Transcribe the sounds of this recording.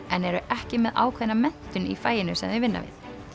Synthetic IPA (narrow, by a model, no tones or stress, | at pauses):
ɛnɛɾʏʔɛhcɪmɛða̰ːwkʰvɛnamɛn̥t̪ʏnḭfaːjɪnʏsɛ̰mvɪvɪnːa̰vɪ̰ð̥